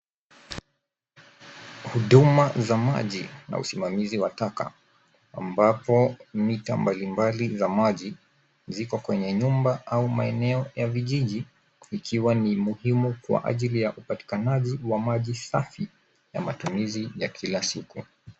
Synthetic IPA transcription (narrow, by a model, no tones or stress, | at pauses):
huɗumazama̰ʄḭna̰ṵsimamiziwataka̰ | a̰mbapɔmitambalimbalizamaʄi | zikɔkwɛɲɛɲumbaaumaɛnɛɔjaviʄiʄiː | kʰiwanimuhimukwa̰ʔa̰ʄilijaʔupati̥kanaʄiwamaʄisafi | ja̰matumizijakʰilasiku